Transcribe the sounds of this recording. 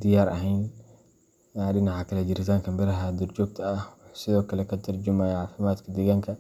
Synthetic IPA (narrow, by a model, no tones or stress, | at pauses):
d̪ɪjaːɾʔɐ̰ɦɛjn | ɗɪnaʕakʰɐlɐd͡ʒɪɾɪt̪ʰaːŋkʰɐmbɪɾɐɦad̪ʊrd͡ʒɔːɡ̚t̪ʰɐɐhsɪðɔːkʰɐlɛkʰɐt̪ʰɐrd͡ʒɪmaːjɐʕaːfɪmaːd̪kʰɐd̪ɛɣaŋkʰɐ